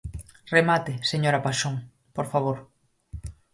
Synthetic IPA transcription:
remat̪ɪseɲoɾapaʃoŋ | poɾfaβ̞oɾ

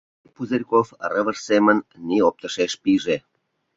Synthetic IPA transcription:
puzerʲkofrəvərsemə̆nʲːiop̚t̪ə̆ʃeʃpiʒe

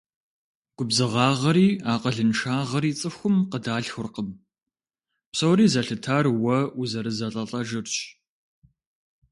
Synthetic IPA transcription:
ɡ̥ʷʊbzɨʁɑːʁɐɾiːaːqəɮɨnʂaːʁɐɾiːt͡sʼɨxʷʊmqədaːɬxʷʊrqəm | psɐwɾiːzɐɬɨtʰaːrwɐuzɐɾɨzɐɬʼɐɬʼɐʒɨrɕ

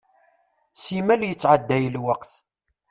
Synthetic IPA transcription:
simæljət͡sːʕad̪ːæjəlwəqθ

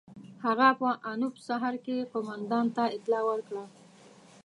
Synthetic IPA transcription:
haɣapəʔanʊpsaɦaɾkeqomand̪ɑnt̪aɪt̪lɑwəɾkɽa

